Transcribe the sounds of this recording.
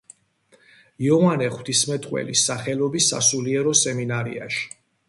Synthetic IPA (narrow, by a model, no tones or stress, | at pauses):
iɔvanɛχwt̪ʰismɛt̪ʼqʼwɛ̰lisaχɛlɔbisːa̰suliɛɾɔsɛminaɾḭa̰ʃi̥